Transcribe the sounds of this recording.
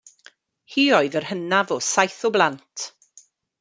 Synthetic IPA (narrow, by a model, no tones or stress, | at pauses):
hiːɔɨðərhənavɔsajθɔblˠantʰ